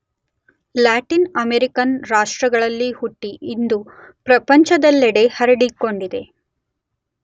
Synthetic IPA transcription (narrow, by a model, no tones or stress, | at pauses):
laːʈinɐmeɾikɐnɾaːʂʈɾɐɡɐɭɐlːihuʈːiʔind̪upɾɐpɐɲt͡ʃɐd̪ɐlːɛɽe̞hɐɾɐɽikːo̞ɳɖid̪e̞